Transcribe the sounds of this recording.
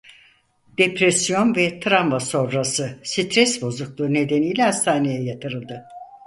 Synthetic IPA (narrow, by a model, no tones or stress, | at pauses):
d̪̥epɾesijo̞nvɛt̪ʰɾamvaso̞nɾasɯsit̪ʰɾɛsbo̞zuklˠɯne̞d̪enijlʲɛhast̪ʰaːne̞jɛjat̪ʰɯɾɯlˠd̪ɯ